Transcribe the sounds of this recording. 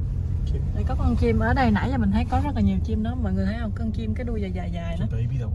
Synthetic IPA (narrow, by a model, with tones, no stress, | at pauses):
ɗə˨˧˩jkɔ˨˦kɔ˧ŋt͡ɕi˧mʔəː˧˩ɗə˧jna̰ː˧˥jaː˨˩mï˨˩ŋ̟tʰə˨˦jkɔ˨˦zə˦˥laː˨˩ɲi˨˩əwt͡ɕi˧mɗɔ˨˦mɔ˧˨jŋɨ˨˩əj̪ʰa˨˦ʔə˧˩wkɔ˧ŋt͡ɕi˧mkaː˨˦jɗu˧əzaː˨˩jzaː˨˩jzaː˨˩jnə˨˦˨i˧˨